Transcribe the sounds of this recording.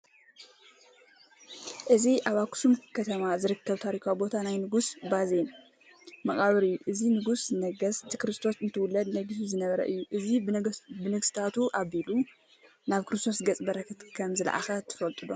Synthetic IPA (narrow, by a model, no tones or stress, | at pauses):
ʔɨziʔaβaksumkʰɐt̪ʰɐmazɨɾɨkʰːɐβt̪ʰaɾikʰabo̞t̪ʰanajnɨɡusbazen | mɐχʼaβɨɾɨjːuʔɨzinɨɡusnɐɡɐst̪ʰɨ̥kɾɨst̪ʰosɨnt̪ʰɨwʊlːɐd̪nɐɡɨsizɨnɐβɐɾɐ̰ʔɨjːuʔɨzibɨnɨɡsi̥t̪ʰat̪uʔaβilu | naβkʰɨɾɨst̪ʰo̞sɡɐt͡sʼbɐɾɐkʰɨt̪kʰɐmzɨla̰ʕa̰xɐt̪ʰɨ̥fɐlt̪ʼɨd̪o